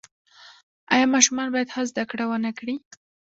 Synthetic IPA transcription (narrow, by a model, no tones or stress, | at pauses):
ajɑmɑʃumɑnbɑjad̪hɑzd̪akɽawənakɽi